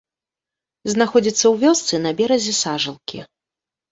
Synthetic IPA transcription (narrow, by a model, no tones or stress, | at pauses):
znaxɔd͡zʲit̪sːɐwvʲɔst̪sɨnɐbʲɛɾɐzʲɛsaʐɨlˠkʲḭ